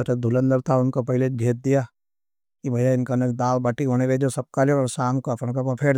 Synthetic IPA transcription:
ɐted̪ʱʊlə̃nd̪əɾt̪ʰaʊnkopɐɦɪleɡʱeːt̪̚d̪ija | kibʱɐjaɪnkanekd̪aːlbɐʈiɦoñeʋed͡ʒosɐb̚kaleɔɾsãːŋkoɐpñkepapʰeːɾ

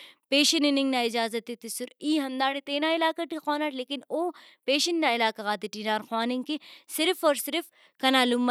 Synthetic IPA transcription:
peːʃɐnɪnɪ̃ŋɡnaɪd͡ʒaːzɐt̪ːit̪ɪsʊɾiːɦɐmd̪aːɽet̪eːnaːɪlaːkɐʈixaːnaʈleːkɪnoː | peːʃɐnnaɪlaːkɐɣaːt̪iʈiːnaːɾxwaːnɪŋkisɪɾfɔːɾsɪɾf | kɐnaːlum

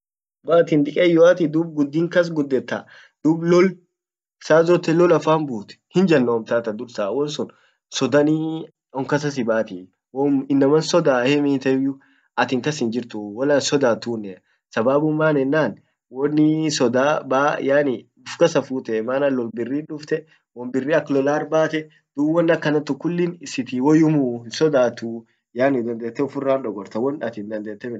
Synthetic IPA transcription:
waːt̪ɪnd̪ɪkʼɛjɔaːt̪id̪ub̚ɡʊd̪ːiːŋkɐs̬ɡʊd̪ːɛt̪ːa̰ | d̪̥uːblɔl | saːzɔt̪ːɛlɔlɐfaːnbuːt̪ɛ̥hɪnd͡ʒɐnːɔɔmt̪aːt̪ɐd̪ʊɾsaːwɔnsʊn | sɔd̪ɐni | ɔŋkɐs̬ɐs̬ɪbaːt̪ɪ | wɔmɪnːɐmɐnsɔd̪aːhɛmiːt̪ɛjʊ | ɐt̪ɪŋkɐsɪnd͡ʒɪɾt̪ʊwɔlɐnsɔd̪aːt̪uːnːɛ | sɐbaːbʊmːaːnɛnːaːn | wɔnːɪsɔd̪aːbaːjaːnɪ | ʊfkɐsɐfuːt̪ɛmaːnɐlːɔlbɪrːiːnᶑʊft̪ɛ | wɔmbɪrːiːɐklɔlaːɾbaːt̪ɛ | d̪̥uwɔnːɐkːɐnɐt̪ːʊkːʊlːɪnɪsɪt̪iwɔjʊmuːhɪnsɔd̪aːt̪u | jaːnɪd̪ɐnd̪eːt̪ːɛʊfʊrːaːnᶑɔɡɔɾt̪ɐwɔnɐt̪ɪnd̪ɐnd̪eːt̪ːɛmɪ

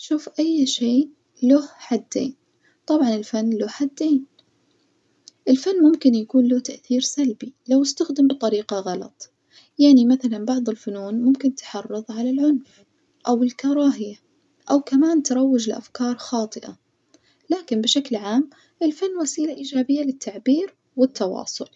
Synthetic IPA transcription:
ʃuːfʔajːʃeː | lʊhħad̪ːḛːn | t̪ˤɑbʕɑnɪlfanːlʊhħad̪ːeːn | ʔɪlfanːmʊmkɪnjakuːnlʊt̪aʔθiːɾsalbilawɪst̪axd̪ɪmbɨt̪ˤɑɾiːqɑɣɑlɑ̰t̪ˤ | jaʕnimaθalanbɑʕðˤɪlfʊnuːnmʊmkɪnt̪ħɑrˤːɨðˤʕalalʕʊnf | ʔawɪlkɑɾˤɑːɦɪja | ʔawkamaːnt̪ɑɾˤɑwːɪd͡ʒɪlɪʔa̰fkɑːɾˤxɑːt̪ˤɨʔa̰ | laːkɪnbɪʃaklʕaːm | ʔɪlfanːwasiːlaʔiːd͡ʒaːbɪjːalɪt̪ʰːaʕbiːɾ | wɪt̪ːɑwɑ̰ːsˤʊl

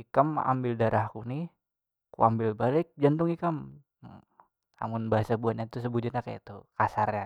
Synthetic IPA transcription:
ikəma̰mbɪldaɾʔahkunɪh | kṵambɪlbalɪk̚d͡ʒant̪ʊŋikam | a̰mʊnbaɦasabuat̪̚ɲat̪us̬əbud͡ʒut̪ɲakaja̰t̪ukasarja

